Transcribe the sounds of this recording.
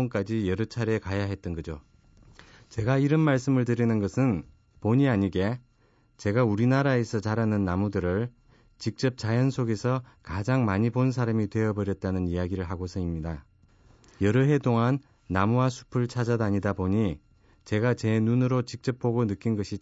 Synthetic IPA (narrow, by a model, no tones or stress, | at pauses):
onk͈ad͡ʑijʌɾɯt͡ɕʰaɾe̞kajaɦe̞t̚t͈ʌnɡʌd͡ʑo | t͡ɕe̞ɡaiɾʌnmaɭs͈ɯmɯɭtɯɾinɯnɡʌsʰɯn | poɲiaɲiɡe̞ | t͡ɕe̞ɡauɾinaɾaesʰʌt͡ɕaɾanɯnːamudɯɾɯɭ | t͡ɕik̚t͡ɕ͈ʌp̚t͡ɕ͈ajʌnsʰoɡe̞sʰʌkad͡ʑaŋmaɲibons̬ʰaɾamitwe̞ʌbʌɾjʌt̚t͈anɯnijaɡiɾɯɭɦaɡosʰʌimɲida | jʌɾɯɦe̞toŋanː | amuasʰu̥pʰɯɭt͡ɕʰad͡ʑadaɲidaboɲi | t͡ɕe̞ɡat͡ɕe̞nunɯɾot͡ɕik̚t͡ɕ͈ʌp̚p͈oɡonɯk͈inɡʌɕʰi